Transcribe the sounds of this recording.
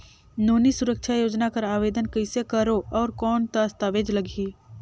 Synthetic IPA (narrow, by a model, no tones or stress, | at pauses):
noːnisʊɾəkʃʰajoːd͡ʒnakɐɾaːʋeːd̪ənkɐɪsekɐɾoɔːɾkɔːnt̪ast̪aːʋeːd͡ʒlɐɡʱiː